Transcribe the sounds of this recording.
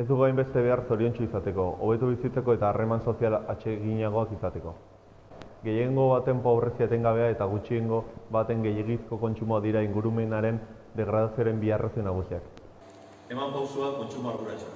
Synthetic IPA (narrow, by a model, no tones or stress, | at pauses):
e̞zd̪uɣajmbe̞st̪e̞β̞e̞arso̞ɾio̞nt͡ʃuisat̪e̞ko̞o̰βe̞t̪uβ̞isit͡se̞ko̞e̞t̪aːrʔe̞manso̞sialat͡ʃe̞ɣiɲaɣ̞o̞akisat̪e̞ko̞ | ɡe̞je̞ŋɡo̞βat̪e̞mpo̞βɾe̞siat̪eŋɡaβe̞ae̞t̪aɣ̞ut͡ʃie̞ŋɡo̞βat̪e̞ŋɡe̞jeɣ̞isko̞ko̞nt͡ʃumoaðiɾaiŋɡuɾume̞naɾe̞n | d̪e̞ɣ̞ɾað̞asioaɾe̞mbiarʔasinaɣ̞usiak | e̞mampawsuako̞nt͡ʃumoaɾðuɾat͡ʃa